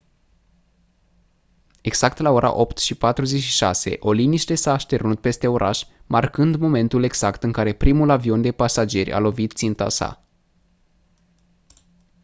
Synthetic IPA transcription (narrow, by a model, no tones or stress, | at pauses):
e̞ɡz̥ak̚t̪lao̞ɾa̰ʔo̞pt̪ʃipat̪ɾuze̞t͡ʃʃiʃa̰se̞̰ʔo̞liniʃt̪e̞saːʃt̪e̞ɾnut̪̚pe̞st̪e̞o̞ɾʔaʃmarkɨnd̪mo̞me̞nt̪ule̞ɡz̥akt̪ɨŋkaɾe̞pɾimulavio̞nd̪e̞pasad͡ʒe̞rʲʔa̰lo̞vit̪t̪sint̪a̰sa̰